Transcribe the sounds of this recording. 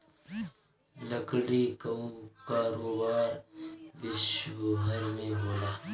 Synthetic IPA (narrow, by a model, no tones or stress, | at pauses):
ləkɽikɐũkaːɾoːbaːɾbɪʃwəbʱəɾmẽɦoːlaː